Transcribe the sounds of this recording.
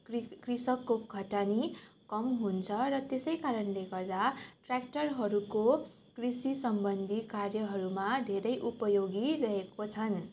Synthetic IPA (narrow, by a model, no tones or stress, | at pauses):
krisʌkːoɡʱʌʈanikʌmɦunt͡sʰʌɾʌt̪esʌjkaɾʌnleɡʌrd̪aʈrak̚ʈʌrɦʌɾuko | krisisʌmbʌnd̪ʱikarjʌɦʌɾumad̪ʱeɾʌjʔupʌjoɡirʌɦekot͡sʰʌn